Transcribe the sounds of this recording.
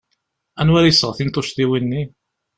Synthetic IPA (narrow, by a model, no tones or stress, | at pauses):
ænwæɾjsəʁθint̪ˤoʃðiwinːi